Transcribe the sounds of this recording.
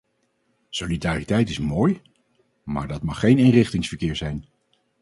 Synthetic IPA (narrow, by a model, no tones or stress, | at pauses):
solidaːritɛjtɪsmoːj | ma̰ːɹdɑtmɑχːejnɪnrɪχtɪŋsfəɹkɪːɹzɛjn